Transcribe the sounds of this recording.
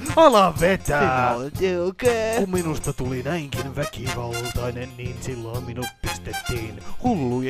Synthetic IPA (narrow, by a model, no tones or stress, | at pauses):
ɑlɑʋet̪æoteokeːkumminust̪ɑt̪ulinæiŋkinʋækiʋɑlt̪ɑinenniːnsilːoimminut̪̚pist̪et̪ːiːnhulːu